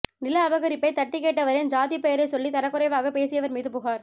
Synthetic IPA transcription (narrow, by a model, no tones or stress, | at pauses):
nɪlɐɐʋɐɣɐɾɪpːɐɪt̪ɐʈːɪkeːʈːɐʋɐɾɐɪnd͡ʒaːðɪjpɛjɐɾɐɪsɔlːit̪ɐlɐkːʊɾɐɪʋaːɣɐpeːsɪjɐʋɐɾmiːðɯpʊɣaːɾ